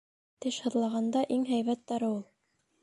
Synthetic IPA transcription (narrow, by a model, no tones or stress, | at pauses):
t̪ɘʃhɤ̆ðlˠɑʁɑnd̪ɑʔiŋɦæjβæt̪ːæɾɤulˠ